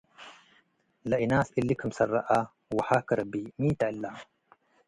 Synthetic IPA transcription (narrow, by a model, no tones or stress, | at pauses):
laʔɪnaːsʔɪlːikʊmsɑrˤːɑʔa | waħaːkɑɾˤɑbimiːt̪aʕɪlːa